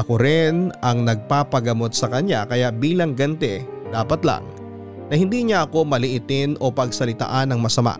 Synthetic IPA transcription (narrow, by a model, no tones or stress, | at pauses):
ʔɐkoɾɪnɐŋnɐɡ̚paːpɐɡɐmo̞t̪̚sɐkɐɲjakɐjaʔbiːlɐŋɡɐnt̪ɛd̪aːpɐt̪la̰ŋ | nɐhɪnd̪iɲaʔɐko̞mɐlɪʔɪt̪ɪnʔo̞pɐɡsɐlɪt̪a̰ʔanɐŋmɐsɐma̰ʔ